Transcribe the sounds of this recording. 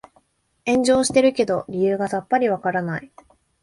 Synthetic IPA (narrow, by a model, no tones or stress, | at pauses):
ẽ̞ɲ̟d͡ʑo̞ːɕi̥t̪e̞ɾɯ̟ke̞d̪o̞ɾʲijɯ̟ːɡasapːaɾʲiβakaɾanai